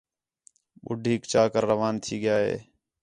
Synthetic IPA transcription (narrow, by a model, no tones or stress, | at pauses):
ɓʊ̰ɖʱiːkt͡ʃaːkəɾːəʋaːnt̪ʰiːɠɪjaːɦḛː